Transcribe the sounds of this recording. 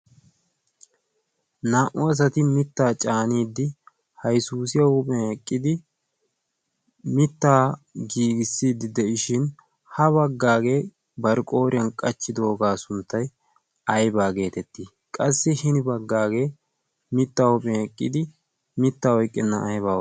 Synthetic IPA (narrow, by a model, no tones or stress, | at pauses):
naːʔʊɐs̬ɐt̪ɪmɪt̪ːaːt͡ʃʼaːniːd̪ːɪ | hɐjsuːsɪjɐhʊpʼɛɛkʼːɪd̪ɪ | mɪt̪ːaːɡiːɡɪsːiːd̪ːɪd̪ɛʔɪʃɪn | hɐβɐɡːaːɡe̞ː | bɐɾkʼo̞ːɾɪjɐnkʼɐt͡ʃːɪd̪oːɡaːsʊnt̪ːɐj | ɐjbaːɡe̞ːt̪ɛt̪ːiː | kʼɐsːɪhɪnɪbɐɡːaːɡe̞ː | mɪt̪ːaːhʊpʼɛɛkʼːɪd̪ɪ | mɪt̪ːaːwɔjkʼːɪnːɐ̰ʔɐjbaːw